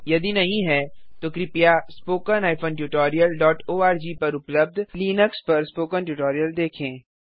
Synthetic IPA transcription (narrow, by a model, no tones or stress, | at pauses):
jɐd̪inɐɦĩɦɛːt̪oːkɾɪpijaspoːkənaːɪfʰõːnʈjuːʈɔːɾijəlɖɔːʈoːaːɾd͡ʒiːpɐɾʊpləb̚d̪ʱliːnəkspɐɾspoːkənʈuʈɔːɾijəld̪eːkʰẽː